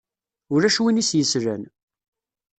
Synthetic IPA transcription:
ʊɾæʃwinisjəsɾæn

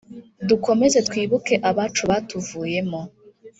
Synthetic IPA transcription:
duko̞me̞ze̞twiːβuke̞ʔaβaːt͡ʃuβaːtuvuːje̞mo̞

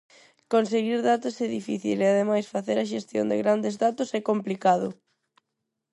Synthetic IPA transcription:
konseɣiɾðat̪ʊsɛðifḭθḭleaðemajsfaθeɾɐʃ̬est̪jo̰nd̪ɪ̰ɣɾand̪ezðat̪ʊsɛkomplikaðʊ

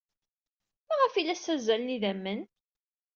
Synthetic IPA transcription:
mæʁəfilːæsːæzælniðæmːən

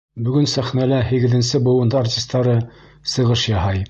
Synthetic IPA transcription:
bɵ̆ɡɵnsæχnælæhiɡɘ̆ðɘ̆nsɘbŏwˠɤ̆nd̪ɤartʲist̪ːɑɾɤ | sɤ̆ʁɤʃjɑhɑj

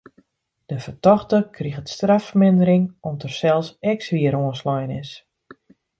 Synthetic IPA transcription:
d̥əfərtɔxtəkʰriɣətstrafərmɪndəɾɪŋɔmtərsɛlˠsɛksʋiəɾoənslɔjənɪs

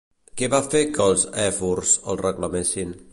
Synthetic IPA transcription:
keβafekəlˠzɛfuɾsə̰lˠrəklamesin

